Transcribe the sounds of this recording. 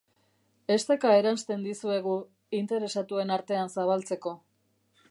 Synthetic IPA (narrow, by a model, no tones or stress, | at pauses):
e̞st̪e̞kae̞ɾanst̪e̞nd̪isue̞ɣ̞u | int̪e̞ɾe̞sat̪ue̞naɾt̪e̞ansaβ̞alt͡se̞ko̞